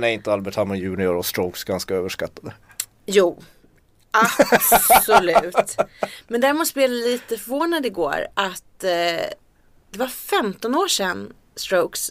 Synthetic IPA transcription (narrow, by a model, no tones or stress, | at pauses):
næɾɪnt̪əalbɛʈʰhamːɔjʉ̟ːnɪʊɾɔst̪ɾoʊksɡanskaøːvəʂkat̪ːad̪ə | juː | ʔapssɔlʉ̟ːtt̪mɛnd̪æːɾmʊspɛːlaliːt̪əfœɾvoːnad̪ɪɡo̰ːɾʔat̪ | d̪̥ɛvaɾfɛmt̪ɔnoːʂɛnː | st̪ɾoʊks